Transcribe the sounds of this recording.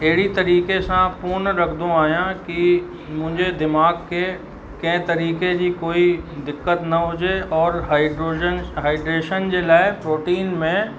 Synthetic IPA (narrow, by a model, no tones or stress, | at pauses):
eɦɽit̪ɐɾiːkesãpʊɾnɾɐkʰd̪õaːjãki | mʊ̃d͡ʒʱed̪ɪmaːɡke | kẽt̪ɐɾiːked͡ʒikoːid̪ɪkːət̪nɐɦoːd͡ʒeɔːɾɦaɪɖɾoːd͡ʒənɦaːɪɖɾeːʃənd͡ʒeːlaːepɾoːʈiːnmẽ